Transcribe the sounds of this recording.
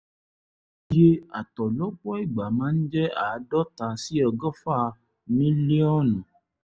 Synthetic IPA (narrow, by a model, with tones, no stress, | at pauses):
je˦a̰˨t̪ɔ˨lɔ˦k͡pɔ˦i˦˨ɡ͡ba˨mãː˨˦n̩˦d͡ʒɛ˦a˨˦dɔ˦t̪a˨˦si˦ɔ˧ɡɔ˦fa˦˨ | mĩ˦lie˦ɔ˦nũ˨